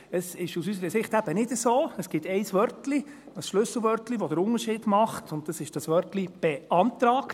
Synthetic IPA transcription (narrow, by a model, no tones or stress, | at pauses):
əsɪʃusysəɾəsɪχtæb̥ənɪdəsoːəsɡ̥ɪtɛɪsʋœɾtli | əsʃlʉsl̩ˠʋœɾtliʋɔd̪əɾʊnəɾʃiːdmɑχtʰʊnttɑsɪʃd̥ɑsʋœrtlib̥ɛʔɑntɾɑːk